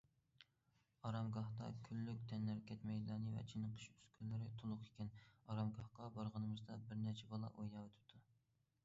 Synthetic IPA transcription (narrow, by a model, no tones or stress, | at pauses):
ɑɾɑmɡɑht̪ɑ̰kʲʰylːykʲt̪ʰɛnːæɾkʲʰɛt̪mɛjlˠɑːnɨvɛ̰t͡ʃʰinɨqʰə̥ʃy̥skʲylːɪɾɪt̪ʰolˠʊqʰe̥kʲɛnɑɾɑmɡɑhqɑbɑɾʁənɨmɨzd̪ɑbɪɾnɛɾt͡ʃʰɛbɑlˠɑ̰ʔojɑwøt̪ʰɪ̥d̪̥u